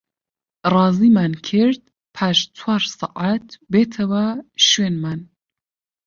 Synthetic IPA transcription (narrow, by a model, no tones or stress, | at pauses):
rɑːzimankʰɪɾd̪̚ | pʰaʃt͡sʰwaːɾsɑʔat̪beːt̪ʰɐwaʃwenman